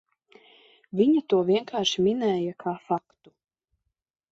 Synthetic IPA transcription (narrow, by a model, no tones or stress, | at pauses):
vʲiɲat̪uɔviɛŋkaːɾʃiminɛːjakʰaːfakt̪u̥